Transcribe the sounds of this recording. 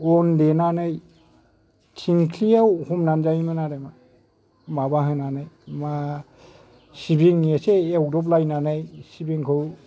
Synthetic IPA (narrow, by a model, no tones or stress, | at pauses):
ɔndenanɯj | tʰiŋkʰlijawhumnanzajmɯnaɾema | mabaɦɯnanɯjma | sibiŋeseewdɔp̚lajnanɯjsibiŋkʰɯw